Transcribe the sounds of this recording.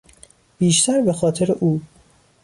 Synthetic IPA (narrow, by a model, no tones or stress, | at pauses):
b̥iːʃt̪ʰæɾbe̞xɒːt̪ʰeɾeʔuː